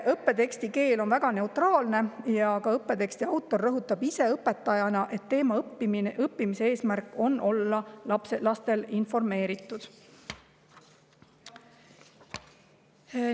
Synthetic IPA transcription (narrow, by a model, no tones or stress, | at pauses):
ʔɤpːe̞t̪e̞kst̪ike̞ːlo̞nvæɡ̥ɑne̞ut̪rɑːlne̞jɑkɑɤpːe̞t̪e̞kst̪iɑwt̪ˑːo̞rːɤɦut̪ːˑɑbise̞ɤpːˑe̞t̪ːˑɑjɑnɑʔe̞t̪ːe̞ːmɑɤpːiminʔɤpːimise̞e̞ːsmærkːˑo̞nʔo̞lːɑɑpselɑst̪e̞linfo̞rme̞ːɾit̪ːˑud̪̥